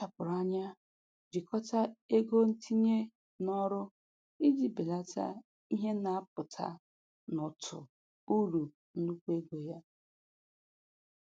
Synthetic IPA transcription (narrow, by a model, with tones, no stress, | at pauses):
a˨pʊ˨ɾa˦ɲa˦ | d͡ʒi˨kɔ˦ta˦e˦ɡo˦n̩˦tʰi˦ɲe˦ | nɔ˦ɾʊ˦ | i˦d͡ʒi˨be˨la˦tʰa̰˦ | i˦ɦe˦na˨a˦p̚ʊ˨tʰa̰˦ | nʊ˨tʰʊ̰˨ | u˦ɾu˨ | n̩˦du˦kʷe˦ɡo˨ja˦